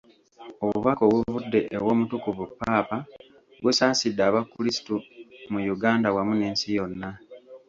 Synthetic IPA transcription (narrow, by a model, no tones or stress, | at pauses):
o̞βuβako̞βuvudːe̞ʔewo̞ːmutukuvupːaːpa | ɡusaːsidːaːβakːulistumujuɡaːndawamune̞ːnsijo̞nːa